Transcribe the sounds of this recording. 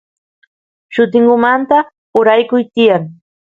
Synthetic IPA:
ʃʊt̪ɪŋɢʊmant̪a | ʊɾajkʊjt̪ɪjaŋ

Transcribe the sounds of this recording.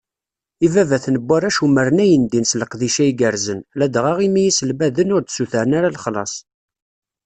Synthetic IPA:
ivævæθnəbːæɾæʃuməɾənæjənd̪insləqðiʃæiɡəɾzənlæd̪ʁaʁimijisəlbæðənʊɾd̪suθəɾənaɾalχlɑ̰sˤ

